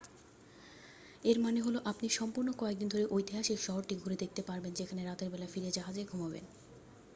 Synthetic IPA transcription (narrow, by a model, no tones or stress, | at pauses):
eɾmaneɦoloʔapniʃɔmpuɾnokɔek̚d̪ind̪ʱoɾeʔojt̪iɦaʃikʃɔɦoɾʈiɡʱuɾed̪ek̚t̪epaɾbend͡ʑekʰaneɾat̪eɾbɛlafiɾiad͡ʑaɦad͡ʑeɡʱumabḛn